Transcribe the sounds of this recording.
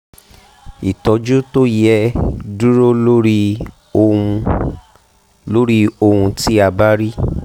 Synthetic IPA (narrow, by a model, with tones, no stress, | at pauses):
i˨tɔ˧˦d͡ʒu˦to˦jɛ˦du˦ɾo˦lo˦ɾĩ˦˧ | lo˦ɾi˦o˧hũ˧ti˦a˧ba˦ɾi˦